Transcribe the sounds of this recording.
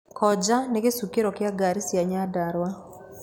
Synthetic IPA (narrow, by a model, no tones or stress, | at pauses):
kʰɔd͡ʒanɛɡesukeɾɔkɪaɡaɾisjaɲadaɾwa